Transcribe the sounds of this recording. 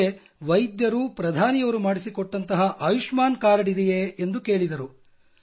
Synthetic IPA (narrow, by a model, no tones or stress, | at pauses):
e | ʋɐjd̪jɐɾupɾɐd̪ʱaːnijɐʋɐɾumaːɽisikoɔʈːɐnt̪ɐɦɐʔaːjuʂmaːnkaːɾɐɽid̪ɛjeend̪uke̞ːɭid̪ɐɾu